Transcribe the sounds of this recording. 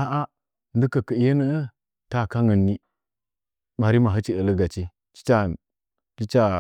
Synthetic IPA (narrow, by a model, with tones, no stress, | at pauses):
a˦ʔa˦ | ndə˦kə˨kə˨jə˦nə˦ə˦ | ta˦˨ka˦ŋə˨nːi˦ | ɓa˨ɾi˦ma˨ɦə˦t͡ʃi˦ə˨lə˦ɡa˨t͡ʃi˦ | t͡ʃi̥˦t͡ʃa˦ | t͡ʃi˦t͡ʃa˨